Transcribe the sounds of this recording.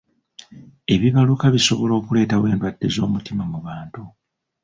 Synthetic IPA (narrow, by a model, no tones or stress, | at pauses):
e̞βiβalukaβiso̞βo̞lo̞ːkule̞ːtawe̞ːndwad̥ːe̞zo̞ːmutimamuβaːntu